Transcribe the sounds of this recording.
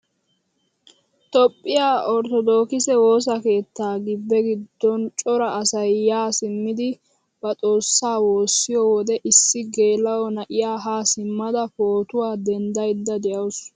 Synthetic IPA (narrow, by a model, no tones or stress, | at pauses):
t̪ɔpʼːɪjaːɔɾt̪ɔd̪o̞ːkɪsɛwo̞ːs̬ɐke̞ːt̪ːaːɡɪbːɛɡɪd̪ːɔnt͡ʃʼɔɾɐʔɐsɐjːaːsɪmːɪd̪ɪ | b̥ɐt͡sʼo̞ːsːaːwo̞ːsːɪjɔwɔd̪ɛʔɪsːɪɡe̞ːlːɐwɔnɐʔɪjaːɦaːsɪmːɐd̪ɐpoːt̪ʊwaːd̪ɛnd̪ɐjd̪ːɐd̪ɛjʔɐws